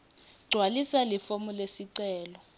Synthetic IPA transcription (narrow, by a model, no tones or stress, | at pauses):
ɡ͡ǀʱwalisalifomulesiǀɛːlɔ